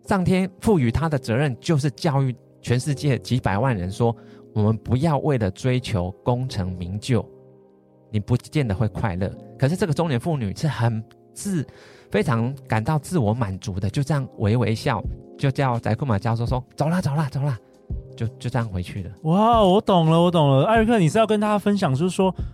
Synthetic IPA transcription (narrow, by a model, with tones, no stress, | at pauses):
ʂɑ˥˩ŋt̪ʰjɛ˥nfu˥˩y˨˩t̪ʰa˦d̪ə˨t͡sɤ˧˦ɻə˥˨nt͡ɕjo˥˧ʊʂ̬ɻ̩˥˧t͡ɕjɑ˥˧ʊy˥˩ | t͡ɕʰɥɛ˧˦nʂɻ̩˥˧t͡ɕjɛ˥˩t͡ɕi˧˥pa˨˩ɪwa˥˨nɻə̰˧˦nswɔ˥wɔ˨˩mə˨npu˧˥jɑ˥˧ʊwʔe˥˩ɪlə˩ʈ͡ʂwe˥ɪt͡ɕʰjo˧˥ʊko˦ŋʈ͡ʂʰɤ˧˥ŋmi˧˥ŋt͡ɕjo˥˩ʊ | ni˨˩pu˨˥t͡ɕjɛ˥˨nd̪ə˨˩xwe˥˧ɪkʰwa˥˧ɪlɤ̰˥˩kʰʂ̬ɻ̩˥˧ʈ͡ʂɤ˥˩ɡə˩ʊ˥ŋnjɛ˧˥nfu˥˩ny̰˨˩ʂɻ̩˥˩xə˨˩n | t͡sɹ̩˥˨fe˥ɪʈ͡ʂʰɑ˧˥ŋka˨˩nt̪ɑ˥˧ʊt͡sɹ̩˥˩wɔ˧˥ma˨˩nt͡su˧˦d̪ə˧t͡ɕjo˥˧ʊʈ͡ʂə˥˧jɑ˥˨ŋwʔe˧˥ɪwḛ˧˥ɪɕjɑ˥˩ʊt͡ɕjo˥˧ʊt͡ɕjɑ˥˨ʊt͡sa̰˧˥ɪkʰu˥˩ma˨˩t͡ɕjɑ˥ʊsɔ˥ʂwɔ˦t͡so˨ʊla˨t͡so˨˩ʊla˨t͡so˨˩ʊla˨˩ | t͡ɕjo˥˧ʊt͡ɕjo˥˧ʊʈ͡ʂə˥˧jɑ˥˩ŋxwe˧˦ɪt͡ɕʰy̰˥˩lə˩wa˥˩wɔ˧˥t̪o˨˩ŋlə˦wɔ˧˥t̪ʊ˨˩ŋlə˦a˥˧ɻkʰɤ˥˨ni˨˩ʂɻ̩˥˧jɑ˥˩kə˦nt̪ʰa˥a˥fə˦nɕ̬jɑ˨˩ŋt͡ɕjo˥˧ʊʂ̩˥˩ʂwɔ˦˥